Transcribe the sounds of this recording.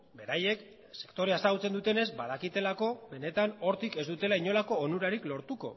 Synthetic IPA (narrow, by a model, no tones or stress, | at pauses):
be̞ɾaje̞k | se̞̥kt̪o̞ɾe̞aesaɣut͡se̞nd̪ut̪e̞ne̞zbað̞akit̪e̞lako̞βe̞ne̞t̪ano̞ɾt̪ike̞zd̪ut̪e̞laiɲo̞lako̞ːnuɾaɾiklo̞ɾt̪uko̞̰